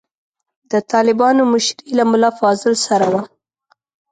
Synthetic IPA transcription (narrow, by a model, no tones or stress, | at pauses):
d̪̥ət̪ɑlɪbɑnomʊʃɾilamʊlɑfɑzɪlsaɾawa